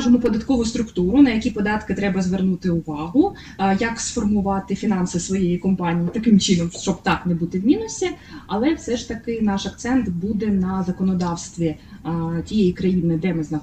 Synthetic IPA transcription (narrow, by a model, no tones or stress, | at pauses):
ʒemɔpɔd̪ɐt̪kɔʋʊst̪ɾʊkt̪uɾʊnɐjɐkʲipɔd̪ɑt̪kɪt̪ɾɛbɐzʋernut̪ɪʊʋɑɦʊ | jɐksfɔrmʊʋɑt̪ɪfʲinɑnsɪsʋɔjejikɔmpɑnʲijit̪ɐkɪmt͡ʃɪnɔmʃt͡ʃɔbt̪ɑknɛbut̪ɪwmʲinʊsʲiɐlˠɛfsɛʃt̪ɐkɪnɑʃɐk̚t̪sɛnt̪bud̪ɛnɐzɐkɔnɔd̪ɑwst̪ʋʲi | tʲijejikɾɐjinɪd̪ɛmɪznɐ